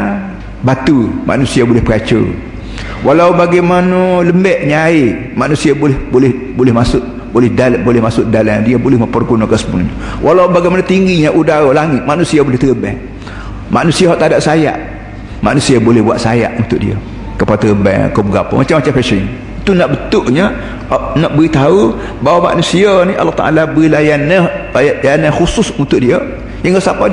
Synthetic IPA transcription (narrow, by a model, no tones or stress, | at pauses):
bat̪umʔa̰nusiabolɛhpəat͡ʃə̰ | walawbaɡajmanələmbɛʔɲaɪ | maʔnusiabhbolɛ | bolɛhmasʊʔ | bolɛhdabolɛhmasʊʔdaladiəbolɛhməmpərɡunokəsəbunɲwʔalawbaɡaɛjmanot̪iŋɡiɲãʔudaɾolaŋɪt̪̚maʔnusiabolɛht̪əəbɛ̰ŋ | maʔnusiaɦaʔt̪adaʔsaja̰ʔ | ma̰ʔnusiabolɛhbuatʔ̪saja̰ʔunt̪ʊʔ̚dḭə̰ | kəpaat̪əɣəbɛ̰ŋ̰kobəɡapə̰mat͡ʃamːat͡ʃamfɛʃəɲ | it̪unaʔbət̪ʊʔɲa | ʔnaʔbəɣit̪au | bawama̰ʔnusianiʔa̰lːaht̪a̰ʔa̰labəɣilajanaajlaanaxusʊsunt̪ʊʔdiə | jaŋasapa